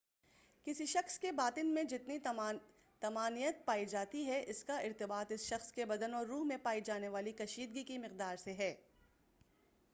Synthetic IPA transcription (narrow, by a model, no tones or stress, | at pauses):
kɪsiʃɐxskebaːt̪ɪnmẽd͡ʒɪt̪ni | t̪ɐmaːnijət̪̚paːid͡ʒaːt̪iɦɛʔɪskaɪɾt̪ɪbaːt̪ɪsʃɐxskebɐd̪ənɔːɾːuːɦmẽpaːid͡ʒaːneʋaːlikɐʃiːd̪ɡikimɪqd̪aːɾseɦɛː